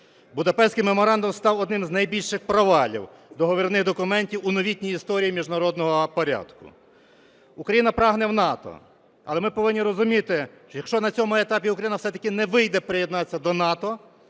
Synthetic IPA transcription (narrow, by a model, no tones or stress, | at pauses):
bʊd̪ɐpɛsʲkɪjmemɔɾɑnd̪ʊmst̪ɑwɔd̪nɪmznɐjbʲilʲʃɪxpɾɔʋɑlʲḭw | zd̪ˠɔɦɔʋʲirnɪɣd̪ɔkʊmɛnʲtʲiwʊnɔʋʲit̪ʲnʲijist̪ɔɾʲijimʲiʒnɐɾɔd̪nɔɦɔpɔɾʲa̰d̪kʊ̰ | ukɾɐjinɐpɾɑɦnɛwnɑt̪ɔ̰ | ɐ̰lˠɛmɪpɔʋɪnʲːiɾɔzʊmʲit̪ɪ | t͡ʃɔjɐkʃt͡ʃɔnɐt͡sʲɔmʊet̪ɑpʲiukɾɐjinɐfsɛt̪ɐkʲɪnɛʋɪjd̪ɛpɾɪjɛd̪nɑt͡sʲːɐd̪ɔnɑt̪ɔ